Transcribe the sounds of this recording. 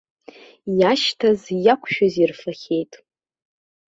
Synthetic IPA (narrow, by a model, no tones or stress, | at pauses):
jaʃtʰazjakʷʰʃᶣʊzirfaχʲe̞jtʼ